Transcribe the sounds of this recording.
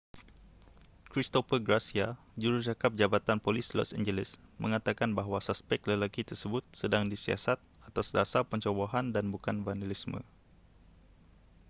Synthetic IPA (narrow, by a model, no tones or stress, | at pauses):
kɾist̪ofərɡɾasia | d͡ʒuɾut͡ʃakap̚d͡ʒabat̪anpolislɔ̰sa̰nd͡ʒəlɪsmʔə̰̃ŋat̪akanbaɦwasaspɛk̚ləlakit̪ərsəbʊt̪̚sədaŋdisia̰sat̪̚at̪asdasapəɲt͡ʃoboɦandanbukanbandəlismə̰̃